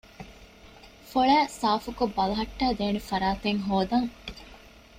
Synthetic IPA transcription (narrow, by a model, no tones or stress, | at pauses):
foɭæːsaːfukobːɐlɐɦɐʈːæːd̪eːnefɐɾaːt̪eŋɦoːd̪ɐŋ